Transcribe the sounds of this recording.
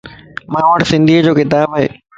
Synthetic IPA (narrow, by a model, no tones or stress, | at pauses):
mãːʋəʈsɪ̃nd̪ʱiːəd͡ʑoːkɪt̪aːbaɦḛː